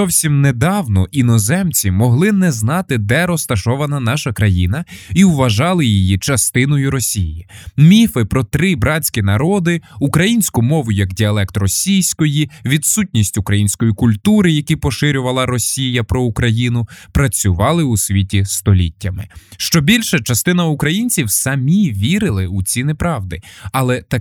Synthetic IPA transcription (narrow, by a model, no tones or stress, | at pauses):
zɔwsʲimned̪ɑwnɔʔinɔzɛmt͡sʲimɔɦlˠɪnɛznɑt̪ɪd̪ɛɾɔst̪ɐʃɔʋɐnɐnɑʃɐkɾɐjinɐiwʋɐʒɑlˠɪjijit͡ʃɐst̪ɪnɔjʊɾɔsʲijjimʲifɪpɾɔt̪ɾɪbɾɑt͡sʲkʲinɐɾɔd̪ɪukɾɐjinʲsʲkʊmɔʋʊjɐɡdʲiɐlˠɛkt̪rɔsʲijsʲkɔjiʋʲid̪sutʲnʲisʲtʲʊkɾɐjinʲsʲkɔjikʊlʲt̪uɾɪjɐkʲipɔʃɪɾʲʊʋɐlˠɐɾɔsʲijɐpɾɔukɾɐjinʊpɾɐt͡sʲʊʋɑlˠɪusʲʋʲitʲist̪ɔlʲḭtʲːɐmɪ̰ʃt͡ʃɔbʲilʲʃɐt͡ʃɐst̪ɪnɐukɾɐjinʲt͡sʲiwsɐmʲiʋʲiɾɪlˠɪut͡sʲinɪpɾɑʋd̪ɪɐlˠɛt̪ɐ